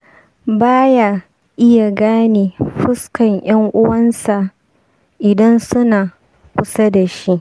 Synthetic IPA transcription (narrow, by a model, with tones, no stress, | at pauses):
baː˦ja˨ | ʔɪ˦ja˨ɡaː˦neː˨ɸɪ˦skɐ˨ŋj̰ɐ˦ŋʔʊ˦wɐ˦nsa˨ | ʔɪ˨dɐ˦nsʊ˦naː˨ | kʷʊ˦sa˦da˨ʃi˦ʔ